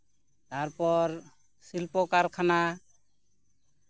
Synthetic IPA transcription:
t̪aɾpɔɾ | silpɔkaɾkʰana

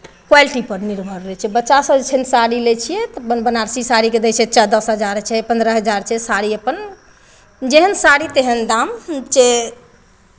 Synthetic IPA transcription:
kwajlʈipəɾniɾbʱəɾːɛt͡ʃʰijɛbətːʃasəd͡ʒet͡ʃʰɛnsaɽilet͡ʃʰijɛt̪bənbənaɾsisaɽiked̪ɛt͡ʃʰɛt͡ʃəd̪əsɦəd͡ʒaɾt͡ʃʰɛpə̃nd̪ɾəɦəd͡ʒaɾt͡ʃʰɛsaɽiəpən | d͡ʒeɦənsaɽit̪eɦənd̪amt͡ʃe

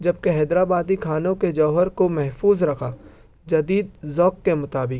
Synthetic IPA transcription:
d͡ʒɐb̚keɦɛːd̪ɾaːbaːd̪ikʰaːnõked͡ʒɔːɦəɾkomɛɦfuːzɾɐkʰaː | d͡ʒɐd̪iːd̪̚zɔːkːemʊt̪aːbɪk

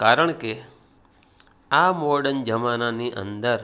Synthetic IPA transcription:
kaɾəɳ̃ke | amoɾɖənd͡ʒəmananiʔə̰nd̪əɾ

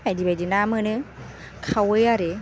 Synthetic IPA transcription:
adibad͡ʒinamɯnɯ | kʰawɯjaɾe

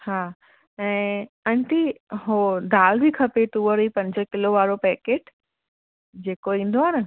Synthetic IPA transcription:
haː | ɛ̃ː | ɐ̃ɳʈ̪iɦod̪ʱaːlbʱikʰɐpet̪uːʋəɾipɐ̃ɲd͡ʑəkɪloʋaːɾopɛːkeːʈ | d͡ʑeːkoĩːn̆d̪oɦaːnə

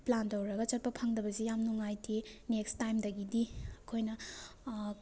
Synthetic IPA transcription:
plantɐwɾɐɡɐt͡ʃɐt̚pɐpʰɐŋdɐbɐzijamnuŋajtʰinekstajmdɐɡidiɐkʰojnɐ

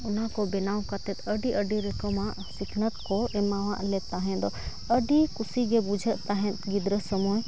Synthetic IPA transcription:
ʊnãkobɪnaːwkɐt̪ɛt̪ʰəɖiʔəɖiɾekəmãʔsɪkʰnət̪koemːaʋãʔlet̪aɦɛ̃d̪ɔ | əɖikʊsiɡebud͡ʒʱət̪aɦɛ̃t̪ɡɪd̪ɾəsəmoːj

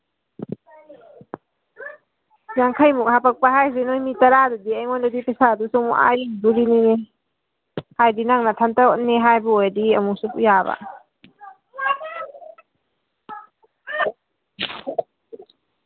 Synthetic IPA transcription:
jaŋkʰajmuk̚hapak̚paɦajzenojmitaɾadadiɐjŋɔndadipesadusɔŋmṵʔa̰jiŋdulinine | hajdinaŋnatʰantaɔt̚neɦajbuɔjadiɐmusupujaba̰

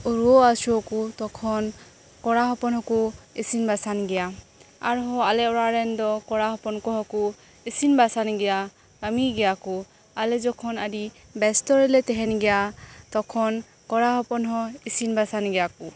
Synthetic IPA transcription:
uɹuɔasuɔkutɔkʰɔn | kɔɹaɦɔpɔnɦɔkuisinbasanɡɛjaa̰ɹɦɔalɛɔɹaɹɛndɔkɔɹaɦɔpɔnkɔɦɔku | isinbasanɡɛja | kamiɡɛjaku | alɛzɔkʰɔnadi | bɛstɔɹɛlɛtɛɦɛnɡɛjat̪ɔkʰɔn | kɔɹaɦɔpɔnɦɔisinbasanɡɛjaku

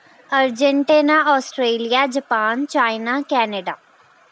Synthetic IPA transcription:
əɾd͡ʒəɳʈeːnaːʔɔːsʈɾeːlɪjaːd͡ʒəpaːnt͡ʃaːinaːkɛːneɖaː

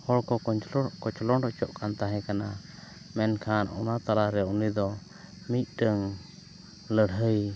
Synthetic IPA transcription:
hɔɾkɔɔkɔt͡ʃɔlɔnɖɔt͡ʃɔʔkʰant̪aɦɛ̃kana | mɛnkʰanɔ̰nat̪alaɾɛunid̪ɔ | mit̪̚ˀʈəŋ | ləɽɦəj

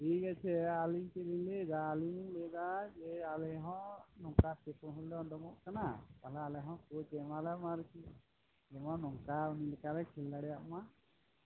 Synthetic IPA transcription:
iɡɛt͡ʃʰɛaliɲtɛɾiɲlɛdaːlinilɛdad͡ʒɛalɛɦɔ̃nɔŋkatɛpunɦulːɛɔdɔmɔʔkanakalaːlɛɦɔ̃kut͡ʃɛmalamaɾki | d͡ʒɛmɔnɔŋkaunilɛkalɛkʰilːaɽɛjaʔma

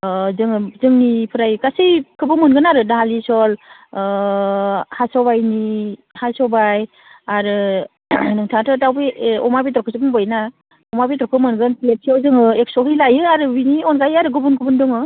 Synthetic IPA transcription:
zɯŋɯzɯŋnipʰɯɾajkasɯjkʰɯbɯmɯnɡɯnaɾɯnaɦalisɔl | hasɔbajni | hasɔbaj | aɾɯ | nɯŋtʰatɯtawbiɔ̰mabit̪ɾɔkɯsɯbɯŋbɔjna | ɔmabitɾɔkʰɯmɯnɡɯnplet̚sʰiawzɯŋɯek̚sɔɦijlajɯaɾɯbiniɔnɡajaɾɯɡubunɡubundɯŋɯ

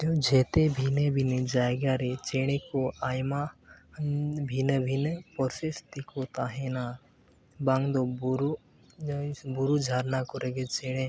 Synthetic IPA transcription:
t̪od͡ʒeːt̪ebʱinebʱinəd͡ʒaːeɡaːɾet͡ʃeːɽ̃ekoʔaːjma | bʱinəbʱinpɔɾsest̪ikot̪aːɦena | bãŋd̪obɾu | buɾud͡ʒʱaːɾnakoɾeɡet͡ʃeːɽ̃ẽ

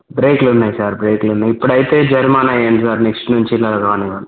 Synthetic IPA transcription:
bɾeːklunːaːjsaːɾbɾeːklunːaːjipːuɽɐjit̪e̞ːd͡ʒɐɾmaːnɐjeːɳɖisaːɾneksʈnuɲt͡ʃilːaːɾkaːniɡaːɽ

